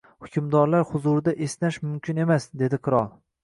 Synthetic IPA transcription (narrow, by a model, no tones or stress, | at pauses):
hʊkʲʰʊmd̪ɒɾlaɾhʊzuɾɪd̪aʔesnaʃmʊmkʲʰɪne̞masd̪e̞d̪ɪqʰɨɾɒlˠ